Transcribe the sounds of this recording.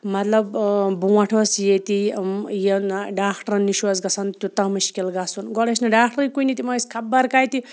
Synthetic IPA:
mɐt̪lɐbbuwaʈʰosjet̪imjenɖaːkʰʈɐɾɐnːiʃwɐzɡɐsɐnt̪ut̪ɐmɐʃi̥kelɡaːsunɡɔɽesnɐɖaːkʰʈɐɾjkuinit̪imɐskʰɐbːaɾkaːjt̪i

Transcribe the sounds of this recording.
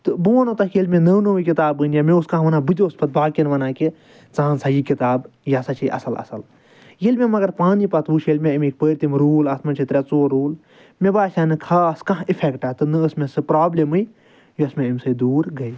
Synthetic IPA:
t̪ɨbuːɐnõːt̪ɐkʰjelʲmʲẽnɐnoːʋikit̪aːbɨnjamẽuskãɦʋɐnaːbɨd͡ʒospɐt̪̚baːkinʋɐnãːki | t͡sãːnsaːjikit̪aːb | jaːsɐt͡ʃʰiʔɐ̰sɐlɐ̰sɐl | jelʲmʲẽmɐɡɐɾpaːnipɐt̪ʋuːʃʰjelmʲẽimek̚bəːɾt̪imɾuːlɐsmɐnt͡ʃʰit̪ɾʲat͡soːɾuːl | mẽbaːʃaːnɨkʰaːskaɦipʰekʈaːt̪ɨnɨəsmẽsɨpɾaːblemɨj | juɐsmẽimsɨd̪uːɾɡɐi

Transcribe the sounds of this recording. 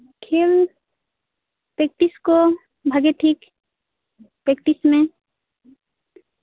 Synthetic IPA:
kʰeːl | pɾek̚ʈisko | bʱəɡeʈʰik | pɾekʈismẽ

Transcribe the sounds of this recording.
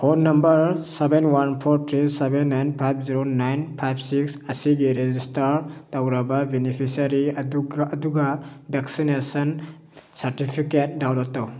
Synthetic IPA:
honnːɐmbɐɾsebenwanpʰɔɾtʰɾisebenːajnpʰajb̚ʰziɾonajnpʰajb̚siksɐsiɡiɾezistɐɾtawɾabɐbinipʰisaɾidːduɡɐbeksinesɔn | sɐɾtipʰiket̚dawlotːow

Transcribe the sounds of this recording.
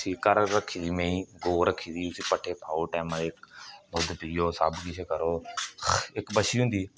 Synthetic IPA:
siːkəɾɾəkʰiːd̪iːmẽĩːɡoːɾəkʰːiːd̪iːʊsiːpəʈʰeːpʰaːoːʈɛːmãːd̪eːknoːd̪pijoːsəbkɪt͡ʃʰekəɾoː | ɪkbəʃiːɦʊ̃ːnd̪iː

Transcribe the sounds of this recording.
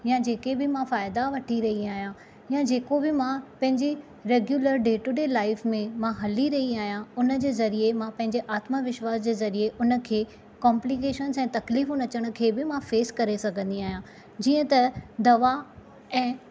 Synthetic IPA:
jãd͡ʑeːkebɪmãfaːɪd̪aʋɐʈʰiɾɐɦiaːɦijã | jãd͡ʑeːkobɪmãpɐ̃ɦɪ̃ɲd͡ʑe | ɾeːɡjuːləɾɖeːʈuɖeːlaːɪfmẽmãɦɐliɾɐɦiaːɦijãʊnə̆d͡ʑeːzɐɾiemãpɐ̃ɦɪ̃ɲd͡ʑeʔaːt̪maʋɪʃwaːsd͡ʑeːzɐɾieʔʊnə̆kʰeː | kɔːmplikeːʃənzɛ̃ːt̪ɐkliːfũnɐt͡ɕəɽ̃ʊ̆kʰeːbɪmãfeːskɐɾesɐɡʱə̃nd̪iaːɦijã | d͡ʑiːə̃t̪ɐd̪ɐʋa | ɛ̃ː

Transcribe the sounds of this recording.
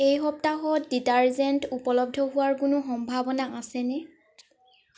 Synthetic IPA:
ejɦɔp̚taɦɔditaɹzɛntupɔlɔb̚dʱɔɦʊwaɹkʊnʊxɔmbʱabɔnaʔasɛnɛ

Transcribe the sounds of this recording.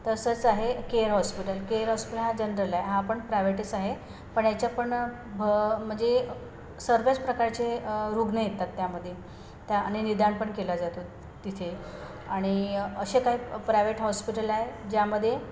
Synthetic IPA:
t̪əsət͡saɦekeəɾɦɔspiʈəlkeəɾɦɔspiʈəlɦad͡ʑənɾəlaɦeɦãːpəɳpɾajʋeʈisaɦe | pəɳjat͡ɕjapəɳ | bəm̤əɳd͡ze | səɾʋet͡spɾəkaɾt͡ɕeɾuɡnəjet̪ːat̪ːjaməd̪ʱːje | t̪jaɽ̃inid̪ʱaɳpəɳkelad͡zat̪o | t̪it̪ʰe | aɽ̃iəɕekaɦiːpɾajʋeʈɦɔspiʈəlaɦed͡ʑjaməd̪ʱːje

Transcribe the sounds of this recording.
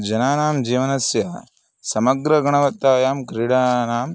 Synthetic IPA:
d͡ʒɐnaːnaːmd͡ʒiːʋɐnɐsjɐ | sɐmɐɡɾɐɡɐɳɐʋɐt̪ːaːjaːmkɾiːɽaːnaːm

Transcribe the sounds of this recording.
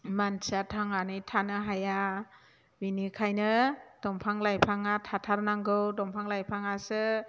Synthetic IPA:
mansatʰaŋanɯjtʰanɯɦaja | binikʰajnɯd̥ɔmpʰaŋlajpʰaŋatʰatʰaɾnaŋɡɯwdɔmpʰaŋlajpʰaŋasɯ

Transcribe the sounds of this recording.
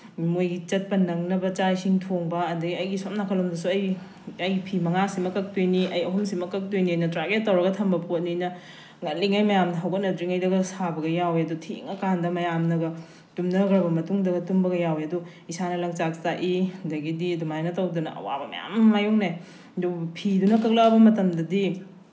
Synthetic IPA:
mojɡit͡ʃɐt̚pɐnɐŋnɐbɐt͡ʃaisiŋtʰoŋbɐːdɐɡiɐjɡisom̚nakʰɐlomdɐsuɐj | ɐjɡipʰimɐŋasimɐkɐk̚tujniʔɐjɐɦumsimɐkɐk̚tujniojnɐtɾaɡet̚ːɐwɾɐɡɐtʰɐmbɐpot̚ninɐ | ŋɐtlːiŋajmɐjamdɦɐwɡɐt̚nɐtɾiŋɐjdɐɡɐsabɐɡɐjaweɐdutʰḭŋɐkandɐmɐjamnɐɡɐ | tumnɐɡɐɾbɐmɐtuŋdɐɡɐtumbɐɡɐjaweɐdu | isanɐlɐŋt͡ʃak̚saʔidɐɡidiɐdumanɐtɐwdɐnɐ̰ʔɐ̰wa̰bɐmɐ̰ja̰mːajuŋne | dupʰidunɐkɐk̚lɐɐbɐmɐtɐmdɐdi

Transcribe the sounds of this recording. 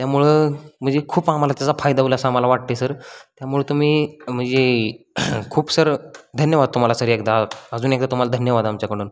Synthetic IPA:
t̪jamuɭem̤ənd͡zekʰuːpamalat̪jat͡safajd̪aulasamalaʋaʈ̚t̪esəɾt̪jamuɭet̪um̤iːm̤əɳd͡ze | kʰuːpsəɾd̪ʱənjəʋad̪̚t̪um̤alasəɾekd̪aəd͡zuːnekd̪at̪um̤alad̪ʱənjəʋad̪amt͡ɕjakəɽuːn

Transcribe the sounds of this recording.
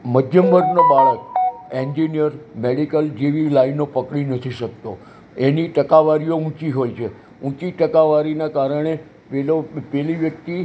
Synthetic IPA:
məd̪ʱjəmbʱəɾnobaɭəkẽɲd͡ʒinijəɾmeɽikəld͡ʒeʋilainːopəkɽinət̪ʰiʃək̚t̪o | eniʈəkaʋaɾijoũt͡ʃiɦojt͡ʃʰe | ũt͡ʃiʈəkaʋaɾinakaɾəɳ̃e | pelopeliʋjək̚t̪i

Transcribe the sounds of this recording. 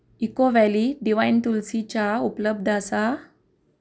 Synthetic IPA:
ikoʋɛliɖiʋajnt̪ulsit͡ɕaupləb̚d̪ʱasa

